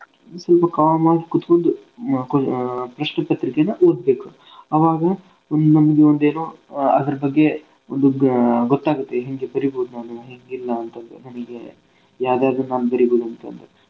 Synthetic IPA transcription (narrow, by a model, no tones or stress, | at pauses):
sɐlpɐkaːʋmaːɡikut̪ːkond̪u | kpɾɐʂɳɐpɐt̪ɾikenɐʔoːd̪̚be̞ːku | ɐʋaːɡɐ | ond̪unɐmɐɡeond̪eːnoːɐd̪ɐɾɐbɐɡːe̞ | ond̪uɡɔt̪ːaːɡut̪ːeɦeŋɡe̞bɐɾiboːd̪unaːnuɦeŋɡilːɐːnt̪ɐnd̪enɐnɐɡe | jaːd̪aːd̪unaːnubɐɾiboːd̪uɐnt̪ɐ̰nd̪e